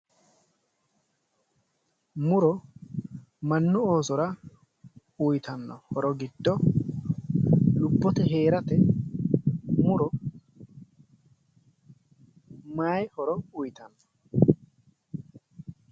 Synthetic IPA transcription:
mʊɾɔ | mɐnːʊo̞ːsɔɾɐ | ʊjt̪ɐnːɔhɔɾɔɡɪd̪ːɔ | lʊbːɔt̪ɛɦeːɾɐt̪ɛ | mʊɾɔ | maːjhɔɾɔʊjt̪ɐnːɔ

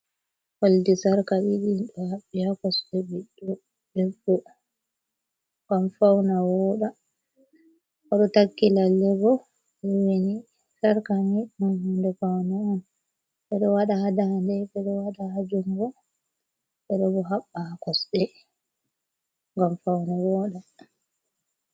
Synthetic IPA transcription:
holdisaɾkaɓiɗiɗɔhaɓːihakɔsɗɛbiɗːɔ | dɛbːɔ | ɡamfawnawɔɗa | ɔɗɔtakːilalːɛbɔ | wini | saɾkamimunhundɛfawnaɔn | ɓɛɗɔwaɗahadandɛɓɛɗɔwaɗahad͡ʒumɡɔ | ɓɛɗɔbɔɦaɓːakɔsɗɛ | ŋɡamfawnawɔɗa

